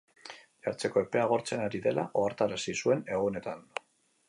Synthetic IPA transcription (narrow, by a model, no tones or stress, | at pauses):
ʎaɾt͡se̞ko̞e̞pe̞aɣ̞o̞ɾt͡se̞naɾiðe̞la̰ʔo̞aɾt̪aɾasisue̞ne̞ɣ̞une̞t̪an